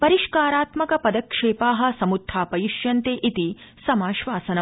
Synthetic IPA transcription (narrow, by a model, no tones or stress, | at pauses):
pɐɾiʃkaːɾaːt̪mɐkɐpɐd̪ɐkʂeːpaːɦɐ̆sɐmud̪ʱːaːpɐjiʂjɐnt̪eːʔit̪i | sɐmaːʃʋaːsɐnɐ